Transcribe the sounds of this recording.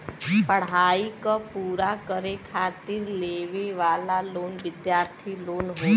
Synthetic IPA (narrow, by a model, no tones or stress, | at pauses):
pəɽ̤aːikapuːɾakəɾekʰaːt̪iɾleːʋeʋaːlaloːnʋɪd̪jaːɾt̪ʰiloːnɦo